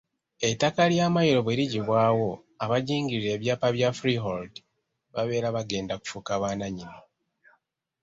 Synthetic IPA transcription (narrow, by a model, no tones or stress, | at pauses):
e̞tːakaljaːmajiɾo̞βweɾiɟiβwaːwo̞ | aβaɟiːŋɡiɾiɾe̞ːβjaːpaβjafɾiɦoldi | βaβe̞ːɾaβaɡe̞ːndaku̥fukaβaːnaɲini